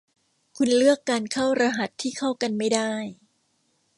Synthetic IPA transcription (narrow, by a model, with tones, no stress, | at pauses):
kʰu˧nlɯ˥˩əkːaː˧nkʰa˥˩wɾa˧ɦa˨˩t̪ʰːiː˥˩kʰa˥˩wka˧nma˥˩jdaː˥˩j